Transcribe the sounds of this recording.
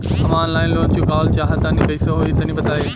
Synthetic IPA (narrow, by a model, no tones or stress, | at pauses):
ɐʋãːnlaːɪnloːnd͡ʑõːkaːlt͡ɕaːɦət̪anĩpɐiːseɦoːit̪ɐnĩbɐd̪ʱaːi